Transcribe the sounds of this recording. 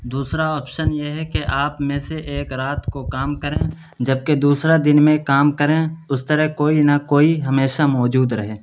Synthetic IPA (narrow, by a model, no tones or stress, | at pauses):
d̪uːsɾaɔːpʃənjeɦɛkeʔaːpmẽseʔeːkɾaːt̪kokaːmkəɾẽ | d͡ʒɐb̚ked̪uːsɾad̪ɪnmẽkaːmkəɾẽʊst̪əɾəɦkoːinakoːiɦɐmeːʃamɔːd͡ʒuːd̪ɾɐɦẽː